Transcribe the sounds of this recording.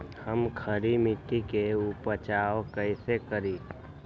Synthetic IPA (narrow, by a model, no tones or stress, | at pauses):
həmkʰəɾimɪt̪ːikeupət͡ʃaːokəɪsekəɾiː